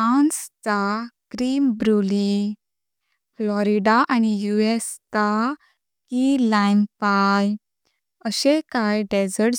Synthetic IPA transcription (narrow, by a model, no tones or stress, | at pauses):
ãnstaɡ̥ɾimbɾuli | flɔɾiɖaʔañijuest̪a | kilajnpaj | əɕekajɖed͡zəɾʈ